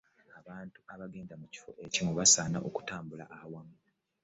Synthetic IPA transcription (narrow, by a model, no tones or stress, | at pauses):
aβaːntuaβaɡe̞ːndamuci̥fo̞̰ʔe̞cimuβasaːna̰ʔoku̥taːmbula̰ʔawamu